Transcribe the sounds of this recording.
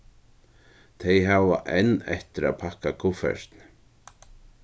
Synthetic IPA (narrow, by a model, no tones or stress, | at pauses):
t̪ʰejɦava̰ʔɛnːɛht̪ɪɾa̰ðpʰahkakʰʊfɛ̰ɾ̥t̪n